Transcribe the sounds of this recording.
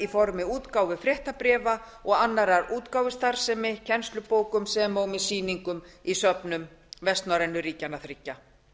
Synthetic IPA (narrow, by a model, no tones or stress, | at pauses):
ifɔɾmɪuːt̪kawvɪfɾɛht̪apɾɛːva | ɔɣanːaɾaɾuːt̪kawvʏst̪aɾ̥sɛmɪcʰɛnst̪lʏpoːwkʏmsɛːmoːwmɪsiːniŋkʏmisœpnʏmvɛst̪naɾɛnːʏɾiːcanaθɾicːa